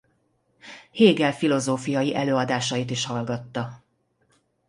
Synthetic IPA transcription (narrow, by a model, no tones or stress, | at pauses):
heːɡɛlfilo̞zoːfijɒjiʔɛløːɒd̪aːʃɒjit̪iʃhɒlɡɒt̪ːɒ